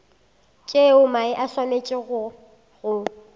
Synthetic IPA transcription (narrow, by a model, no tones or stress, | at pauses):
t͡ʃʼeʊmaɪʔaswamet͡ʃʼɪɣʊ | ɣʊ